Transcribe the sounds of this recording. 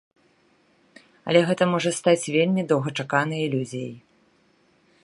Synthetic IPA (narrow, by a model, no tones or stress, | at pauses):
ɐ̰lʲɛɣɛt̪ɐmɔʐɐst̪at͡sʲvʲelʲmʲid̪ɐwɣɐt͡ʂakanɨjilʲuzʲjɐ̰j